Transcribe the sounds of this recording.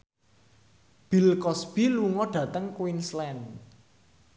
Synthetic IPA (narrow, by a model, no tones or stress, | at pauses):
b̥i̤lkɔsb̥iluŋɔɖ̥ä̤t̪əŋkwinslɛn